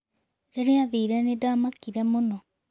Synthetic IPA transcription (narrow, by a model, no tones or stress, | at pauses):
ɾeɾeaðiːɾɛnedamakiɾɛmonɔ